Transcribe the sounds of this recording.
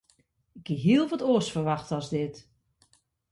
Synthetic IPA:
ɪk̚ɡ̚ɡeɦiəlˠʋɔtoːsfərʋaxtəɔzdɪt

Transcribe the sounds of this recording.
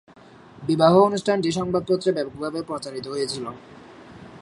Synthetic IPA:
bibaɦoonuʃʈʰand͡ʑeʃ̬ɔŋbad̪̚pot̪ːɾebɛbokbʱabepɾot͡ɕaɾit̪oɦojet͡ɕʰilo

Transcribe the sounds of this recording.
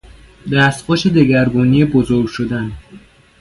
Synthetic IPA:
d̪æːst̪pɔːʃed̪eɡæɾbuːnijebozoɾɡʲʃod̪æn

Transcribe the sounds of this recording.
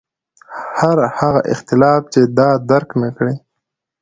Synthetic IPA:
haɾhaɣaʔɪ̰xt̪ɪlɑft͡ʃed̪ɑd̪aɾknakɽe

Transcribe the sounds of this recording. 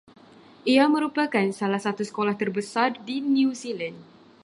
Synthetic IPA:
ʔiamə̃ɾupakansalahsat̪usə̥kolaht̪ərbəsardiniusiland

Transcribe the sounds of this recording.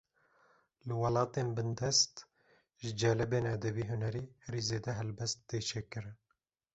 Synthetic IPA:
lɨwɑlɑːt̪eːnbɨnd̪ɛst̪ | ʒɨd͡ʒɛːlɛbeːnɛd̪ɛbiːɦunɛɾiːhɛɾiːzeːd̪ɛɦɛlbɛst̪̚ːeːt͡ʃʰeːkɨɾɨn

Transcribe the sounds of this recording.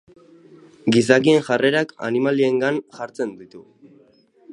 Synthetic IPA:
ɡisakie̞nʝare̞ɾaka̰nimalie̞ŋɡanʝaɾt͡se̞nd̪it̪u

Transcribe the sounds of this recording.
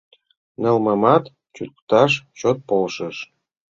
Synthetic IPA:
nɤ̆lmɤ̆mɑt̪ | t͡ɕut̪kt̪ɑʃt͡ɕot̪̚polʃə̆ʃ

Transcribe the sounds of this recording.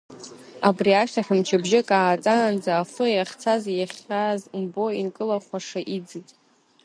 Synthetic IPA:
abriaʃtʰaħʲᶣamt͡ʃʰɪbʒɪkʼaːt͡sʼaːnd͡zaːfojaχʲt͡sʰazjaχʲazmbo̞inkʼɨlaχʷaʂaʔid͡zɨtʼ

